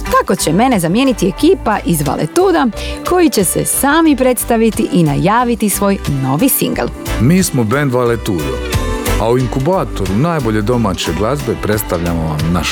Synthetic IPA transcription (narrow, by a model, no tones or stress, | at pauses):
t̪ako̞t͡ɕe̞me̞ne̞zamje̞ːnit̪iekiːpaʔizʋa̰lʔḛt̪uːd̪ako̞jit͡ɕe̞se̞̰saːmipɾe̞t̪st̪aʋit̪iʔinajaːʋit̪isʋo̞ːjno̞ʋisḭŋɡel | miːsmobe̞nd̪ʋalet̪uːd̪o̰auiŋkubaːt̪o̞ɾunaːjbo̞ʎe̞d̪o̞maːt͡ɕeɡlˠazbe̞pɾe̞t̪st̪aʋʎamoʋamnaʃ